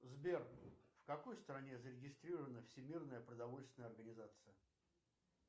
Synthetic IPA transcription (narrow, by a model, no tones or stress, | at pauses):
zbʲerfkɐko̞jst̪əɾɐnʲezəɾʲɪɡʲɪst̪ɾʲiɾəvənəfsʲɪmʲirnəjəpɾəd̪ɐvo̞lʲst̪vʲɪnəjəɐrɡənʲɪzat̪sɨjə